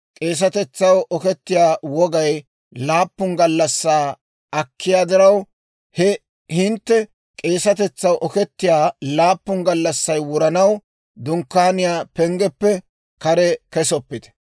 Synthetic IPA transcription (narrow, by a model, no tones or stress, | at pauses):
kʼe̞ːs̬ɐt̪ɛt͡sːɐwɔkɛt̪ːɪjaːwɔɡɐj | laːpːʊŋɡɐlːɐsːaː | ɐkːɪjaːd̪ɪɾɐw | hɛ | hɪnt̪ːɛ | kʼe̞ːsɐt̪ɛt͡sːɐwʔɔkɛt̪ːɪjaːlaːpːʊŋɡɐlːɐsːɐjwʊɾɐnɐw | d̪ʊŋkːaːnɪjaːpɛŋɡɛpːɛ | kɐɾɛkɛsɔpːɪd̪ɛ̥